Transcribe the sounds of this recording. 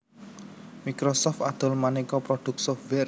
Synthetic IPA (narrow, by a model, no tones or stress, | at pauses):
mikɾɔsɔft̪ad̪̥ʊ̤lmanikɔpɾɔɖ̪̥ʊ̤k̚sɔfwɛr